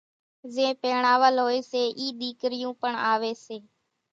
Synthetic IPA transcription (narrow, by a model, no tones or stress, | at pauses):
zẽːpeːɳaːʋəlɦoːeːseːʔiːɗ̪iːkɾɪjũːpəɳaːʋeːseː